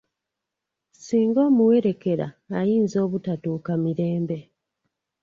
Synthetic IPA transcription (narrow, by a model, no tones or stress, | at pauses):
siːŋɡo̞ːmuwe̞ɾe̞ke̞ɾa̰ːjiːnzo̞ːβutatukamiɾe̞ːmbe̞